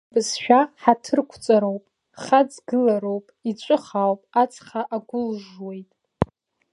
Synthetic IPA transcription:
bɨzʃᶣaħatʰɨrkʷʰt͡sʼaɾo̞wpʼ | χad͡zɡɨlaɾowpʼit͡ɕʷʼɨχawpʼat͡sʰʼχaʔaɡʷʊlʐwe̞jtʼ

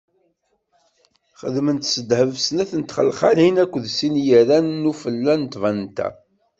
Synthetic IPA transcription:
χə̰ðmənt̪səd̪həvsnæθənt̪χə̰lχaɾhinækʷːəðsinjərænːufəlːænt̪vænt̪æ̰

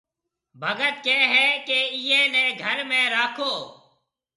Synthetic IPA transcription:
bʱəɡət̪̚keːɦɛːkeːiːẽːnẽːɡʱəɾmẽːɾaːkʰoː

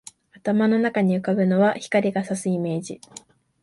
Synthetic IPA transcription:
at̪amano̞nakaɲ̟iɯ̟kabɯ̟no̞βaçi̥kaɾʲiɡasasɨime̞ːʑi

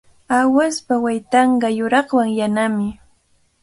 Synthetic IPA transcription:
awaspawajt̪ɑɴɢɑjʊɾɑχwaŋjanamɪ

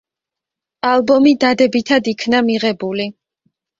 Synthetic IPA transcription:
alˠbɔmid̪ad̪ɛbit̪ʰad̪ikʰnamiʁɛbuli

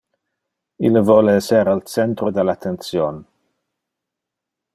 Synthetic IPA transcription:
iləvɔləɛsɛɾalt͡sɛnt̪ɾod̪ɛlat̪ʰɛnsjɔn

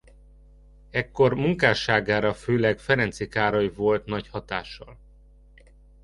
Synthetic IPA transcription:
ɛkːo̞rmuŋkaːʃaːɡaːɾɒføːlɛɡfɛɾɛnt̪sikaːɾɒjivo̞lt̪nɒchɒt̪aːʃːɒ̰l

